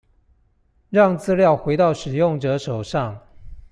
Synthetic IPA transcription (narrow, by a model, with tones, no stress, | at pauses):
ɻɑ˥˨ŋt͡sɹ̩˥ljɑ˥˩ʊxwe˧˥ɪt̪ɑ˥˩ʊʂɻ̩˨˩jʊ˥˩ŋʈ͡ʂɤ˨˧˥ʂo˨˩ʊʂɑ˥˨ŋ